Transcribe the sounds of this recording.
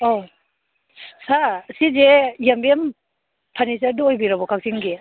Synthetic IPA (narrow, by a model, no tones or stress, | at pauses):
ɔ | sasizejambem | pʰanis̬adoːjbiɾabɔkʰak̚siŋɡi